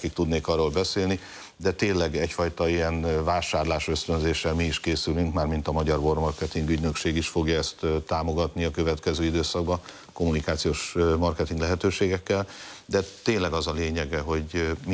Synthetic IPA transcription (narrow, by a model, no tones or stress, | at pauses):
kik̚t̪ud̪neːkɒrːoːlbɛseːlni | d̪ɛt̪eːnlɛɡɛcfɒjt̪ɒijɛnvaːʃaːrlaːʃø̞st̪ø̞nzeːʃːɛlmiːʃkeːsylyŋkmaːrmint̪ɒmɒɟɒrbo̞rmɒrkɛt̪iŋɡyɟnø̞kʃeːɡiʃfo̞ɡjɒɛst̪t̪ːaːmo̞ɡɒt̪niɒkø̞vɛt̪kɛzøːid̪øːsɒɡ̚bɒ | ko̞munikaːt̪sijoːʃmɒrkɛt̪iŋɡlɛɦɛt̪øːʃeːɡɛkːɛld̪ɛt̪eːnlɛɡɒzɒleːɲɛɡɛɦo̞ɟm